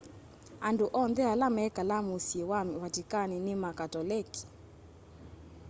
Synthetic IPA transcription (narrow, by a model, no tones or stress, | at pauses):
anduʔɔndɛalamɛkalamusiwamwatikaninimakatɔlɛki̥